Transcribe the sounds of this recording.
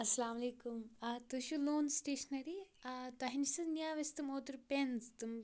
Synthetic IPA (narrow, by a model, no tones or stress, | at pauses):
ɐsɐlaːmɐleːkumt̪ɨʃuloːnsʈeːʃɐnɐɾit̪ɐɦinisɨnjaːʋɐst̪umoːt̪ɾpenst̪um